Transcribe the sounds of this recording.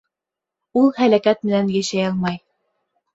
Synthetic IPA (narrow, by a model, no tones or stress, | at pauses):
ulˠhælækæt̪̚mɘ̆nænjæʃæjɑlˠmɑj